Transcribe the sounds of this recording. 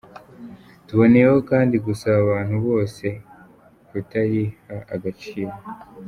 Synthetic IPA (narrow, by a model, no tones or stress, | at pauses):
tuβo̞neɾeho̞kaːndiɡusaβaβaːn̥huβo̞ːse̞ | kutaɾihaaɡat͡ʃiːɾo